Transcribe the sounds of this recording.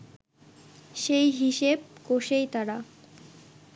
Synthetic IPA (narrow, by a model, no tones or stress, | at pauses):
ʃejɦiʃeb̚koʃejt̪aɾa